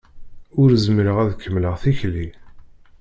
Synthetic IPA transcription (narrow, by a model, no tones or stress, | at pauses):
ʊɾzmɾəʁæðkʰːəmləʁθiçli